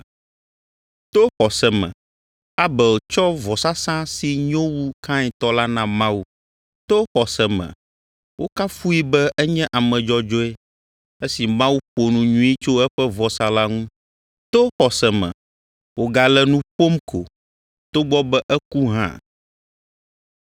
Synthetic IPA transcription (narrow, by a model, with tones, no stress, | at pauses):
t̪o˦xɔ˨sɛ˨mɛ̰̃˨ | a˦bɛ˨wo˨t͡ʃɔ˦vɔ˨sa˦sã˦si˨ɲõ˦wu˦kʰã˦ɲɛ˨t̪ɔ˦la˦nã˨mã˦wu˦ | t̪o˦xɔ˨sɛ˨mɛ̰̃˨ | wo˦ka˦fu˦i˦bɛ˦ʔɛ˦ɲɛ̃˦ʔa˨mɛ̃˨d͡ʒɔ˦d͡ʒɔ˦ɛ˦ | ɛ˦si˨mã˦wu˦ɸo˨nũ˨ɲũ˦i˦t͡ʃo˦ɛ˦ɸɛ˦vɔ˨sa˨la˦ŋũ˦ | t̪o˦xɔ˨sɛ˨mɛ̰̃˨ | wo˨ɡa˨lɛ˦˨nũ˦ɸo˦mkʰo̰˨ | t̪o˦ɡ͡bɔ˦bɛ˦ʔɛ˦ku˦ɦã̰˦